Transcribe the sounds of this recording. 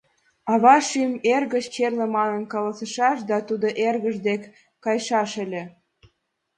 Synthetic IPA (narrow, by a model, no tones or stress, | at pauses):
ɑβɑʃymerɣə̆t͡ɕt͡ɕerlə̆mɑnənkɑlɑsə̆ʃɑʃd̪ɑt̪ud̪oʔerɣəʒd̪ekː | ɑjʃɑʃə̆lʲĕ